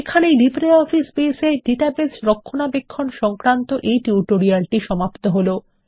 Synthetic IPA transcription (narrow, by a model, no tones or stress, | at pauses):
ekʰanejlipɾeɔfispeseɖiʈabesɾokʰːonabekʰːonʃɔŋkɾant̪oʔejʈiuʈoɾialʈiʃɔmapt̪oɦolo